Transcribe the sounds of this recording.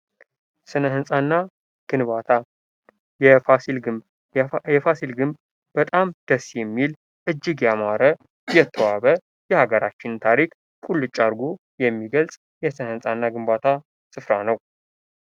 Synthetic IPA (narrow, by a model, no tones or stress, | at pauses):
sɨnəɦɨnsʼanːa | ɡ̥ɨnβat̪ʰa | jɛfasilɡɨb | jɛfasilɡɨmb | b̥ət̪ʼamd̪̥əsːjɛmːil | ʔɨd͡ʒːɪɡjamaɾə | jɛt̪ʰːəwaβə | jɛhaɡəɾat͡ʃːɪnt̪ʰaɾikʼ | kʼulːɨt͡ʃʼaɾɡo | jɛmːiɡəlsʼ | jɛsɨnəhɨnsʼanːaɡɨmbat̪ʰa | sɨfɾanəw